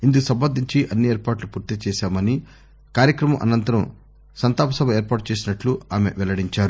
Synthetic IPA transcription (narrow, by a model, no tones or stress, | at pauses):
ind̪ukusɐmbɐnd̪ʱiɲt͡ʃiʔɐnːieːɾpaːʈlupuːɾt̪it͡ʃɛːʃaːmɐni | kaːɾjɐkɾɐmɐmʔɐ̰nɐnt̪ɐɾɐm | sɐnt̪aːpɐsɐbʱɐeːɾpaːʈut͡ʃeːs̬inɐʈluaːme̞̰ʋɛlɐɽiɲt͡ʃaːɾu